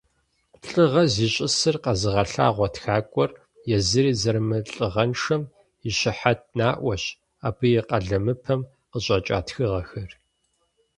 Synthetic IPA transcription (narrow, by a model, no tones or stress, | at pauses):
ɬʼɨʁɐziːɕʼɪsɨrqɐzɨʁɐɬa̰ːʁʷɔtxaːkʷʼɔr | jɛzɨɾiːzɐrmɨɬʼɨʁɐnʂɐm | iɕɪħat̚naːʔʷɔɕ | aːbʰɨjɛqɐɮɐmɨpʰɐm | qəɕʼɐt͡ʃʼa̰ːtxɨʁɐxɐr